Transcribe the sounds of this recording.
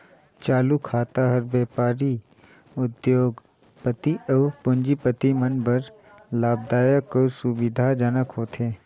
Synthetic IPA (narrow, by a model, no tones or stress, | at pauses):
t͡ʃaːlukʰaːt̪aɦəɾbeːpaːɾi | ʊd̪joːɡ | pət̪iʔəʋpʊnd͡ʒipət̪imənbəɾ | laːb̚d̪aːjəkːəsubɪd̪ʱad͡ʒənəkɦoːt̪ʰeː